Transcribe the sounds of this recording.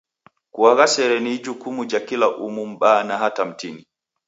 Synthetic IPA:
kuwaɡasɛɾɛnid͡ʒukumud͡ʒakilaʔumumɓaːnahatamtini

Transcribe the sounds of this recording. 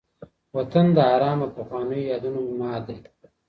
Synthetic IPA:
wɐt̪and̪əaɾɑːmapaxwɑːnəjojɑːd̪unomɑːd̪e

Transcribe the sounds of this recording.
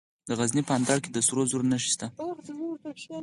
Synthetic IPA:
d̪əɣaznipəand̪ɑɾked̪əsɾozuɾnaʃi̥st̪a

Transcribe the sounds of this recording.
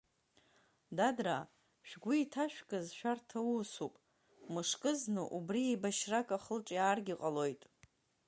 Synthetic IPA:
dadra | ʃᶣɡʷuːtʰaʃᶣkʼɨzʃᶣartʰausupʼ | mɨʂkʼɨznɨʔubriibaʃrakʼaχəlʈ͡ʂʼiaːrɡʲiqʼalo̞jtʼ

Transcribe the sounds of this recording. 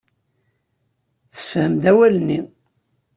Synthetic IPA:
θə̥fhəmd̪æwælnːi

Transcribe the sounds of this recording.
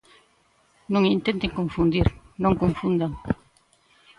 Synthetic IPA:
nõŋint̪ẽnt̪eŋkõɱfund̪iɾ | nõŋkõɱfund̪aŋ

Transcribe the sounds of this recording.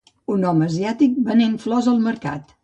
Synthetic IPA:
unɔməziat̪ik̚bənenflɔzəlˠməɾka̰t̪

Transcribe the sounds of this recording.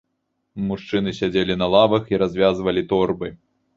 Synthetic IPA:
muʂt͡ʂɨnɨsʲad͡zʲelʲinɐlˠavɐxiɾazʲvʲazvɐlʲit̪ɔrbɨ

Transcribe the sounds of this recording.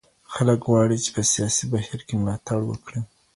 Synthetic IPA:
xaləkɣwɑɽit͡ʃe̥pəsijɑsibahiɾkemlɑt̪aɽwə̰kɽi

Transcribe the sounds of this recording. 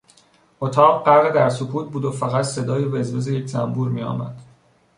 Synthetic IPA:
ʔot̪ʰɒːbɢæɾɣed̪æɾsokʰuːt̪̚buːd̪ofæɣæt̪se̞d̪ɒːjebezve̞zeje̞cʰzæmbuːɾmiːɒ̰ːmæ̰d̪̥

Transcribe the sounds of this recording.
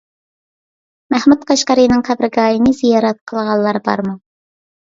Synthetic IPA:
mæhmut̪̚qʰɑʃqɑɾɨnɨŋqʰæbɾɨɡɑːjɨnɨzijɑːɾɛt̪̚qʰəlˠʁɑlˠːɑɾbɑ̰ɾmu

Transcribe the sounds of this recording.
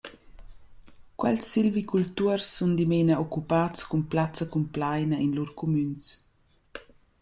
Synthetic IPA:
kwɛlsːilvikult̪uərsːund̪imenaɔkupat͡skumplat͡sɐkumplajnɐinluɾkʰumyns

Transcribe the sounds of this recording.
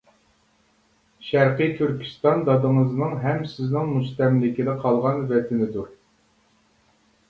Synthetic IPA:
ʃæɾqɨjt̪ʰyɾkʲʰi̥st̪ɑnd̪ɑd̪ɨŋəznɨŋɦɛmsɪznɪŋmuʃt̪ɛmlɪkʲid̪ɛqʰɑlˠʁɑnvɛt̪ʰɪnɪd̪u

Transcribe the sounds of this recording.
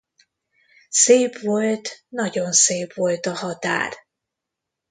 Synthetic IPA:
seːpʋolt̪nɒɟo̞nseːpʋo̞lt̪ɒɦɒt̪a̰ːr

